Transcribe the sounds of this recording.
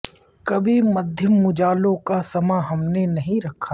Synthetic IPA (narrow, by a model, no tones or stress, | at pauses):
kɐbʱimɐd̪ʱjəmːʊd͡ʒaːlõkasɐmaɦɐmnenɐɦĩɾɐkʰːa